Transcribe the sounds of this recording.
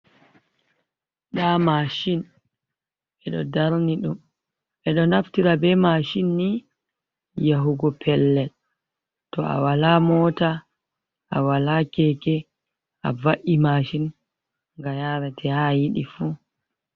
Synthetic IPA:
ɗamaʃin | ɛɗɔ̰daɾniɗum | ɛɗɔnaftiɾabɛmaʃinːi | jaɦuɡɔpʰɛlːɛl | tɔʔa̰walamɔːta | ʔawalakɛkɛ | ʔavaʔimaʃin | ŋɡajaɾɛtʰɛhajiɗifu

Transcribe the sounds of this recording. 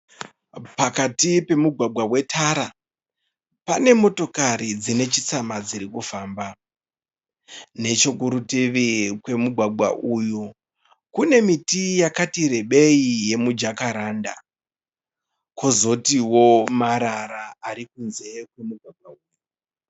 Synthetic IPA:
pakatipe̞muɡʱwaɡʱwawe̞tʰaɾa | pane̞mo̞to̞kaɾid͡zine̞t͡ʃit͡samad͡ziɾikufaːmba | ne̞t͡ʃo̞kuɾutiʋikwe̞muɡʱwaɡʱwa̰ʔuju | kune̞mitijakatiɾe̞ɓe̞ije̞mud͡ʒakaɾaːnda̰ | kozo̞tiwo̞maɾaɾaːɾikunze̞kwe̞muɡʱwaɡʱwauːju

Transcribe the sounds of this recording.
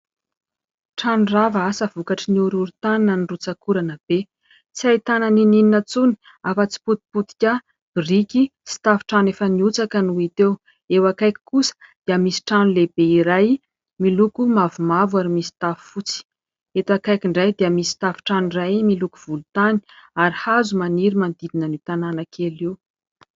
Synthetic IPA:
ʈ͡ʂanuravaasəvukaʈ͡ʂəniuɾuɾut̪ananənirut͡sakuɾanəb̥e | t͡siajt̪ananinininət͡suni̥ | afət͡si̥put̪̚i̥put̪i̥kʲa | b̥irikʲisi̥t̪afʈ͡ʂanefəniut͡sakənuit̪ew | ewakajkʲi̥kusə̥d̪̥iamisi̥ʈ͡ʂanuleb̥eiɾaj | milukumavumavwaɾimisi̥t̪afu̥fut͡si̥ | et̪akajkʲiɳɖ͡ʐajd̪iəmisi̥t̪afi̥ʈ͡ʂanuirajmilukuv̥ulut̪ani̥aɾihazumaniɾimand̪id̪inənit̪ananəkʰelew

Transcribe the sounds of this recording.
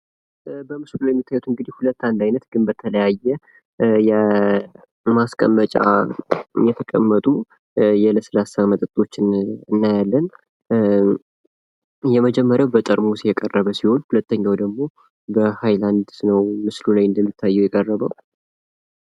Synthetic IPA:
bəmɨslulajɛmːit̪ʰːajːut̪ɨŋɡɨd̪ihulət̪ːand̪ajnət̪ɡɨnbət̪ʰələjajːɛ | jɛ | maskʼə̰mːət͡ʃʼa̰ | jɛt̪ʰəkʼə̰mːət̪ʼu | jɛləsəlasamət̪ʼət̪ʼːo̞t͡ʃːɪnɨnːajalːən | jɛməd͡ʒɛmːəɾjawbət̪ʼəɾmusjɛkʼərːəβəsiho̞nhulət̪ːəɲːawd̪əɡmo̞ | bəhajland̪nəwmɨslulajɨnd̪əmːit̪ʰːajːɛwjɛkʼərːəβə

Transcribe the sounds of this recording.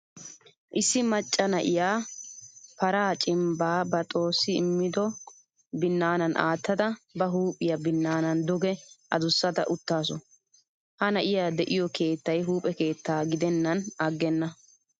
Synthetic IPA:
ʔɪsːɪmɐt͡ʃʼːɐnɐʔɪjaː | pɐɾaːt͡ʃʼɪmbaːbɐt̪ʼo̞ːsːɪɪ̰mːɪd̪ɔ | bɪnːaːnɐnʔaːt̪ːɐd̪ɐbɐɦuːpʼːɪjɐbɪnːaːnɐnd̪ɔɡɛʔɐ̰d̪ʊsːɐt̪ɐ̰ʔʊt̪ːaːsɔ | hɐnɐʔɪjaːd̪ɛʔɪjɔkʰe̞ːt̪ːɐjɦuːpʼɛke̞ːt̪ːaːɡɪd̪ɛnːɐnɐɡːɛnːɐ

